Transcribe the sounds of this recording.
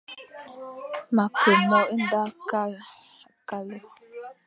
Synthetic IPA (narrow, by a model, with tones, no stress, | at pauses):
ma˨ko˨mɔ˦i˦n˦da˦ka˦ | ka˦lɔ˦